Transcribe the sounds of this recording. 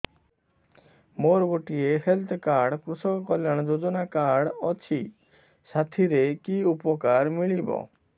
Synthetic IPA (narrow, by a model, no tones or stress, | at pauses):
moɾɡoʈiehelt̪ʰɔkaɾɽkɾusɔkɔkɔljaɽ̃ɔd͡ʒod͡ʒɔnakaɾɽɔt͡ʃʰi | sat̪ʰiɾekiupɔkaɾmiɭibɔ̰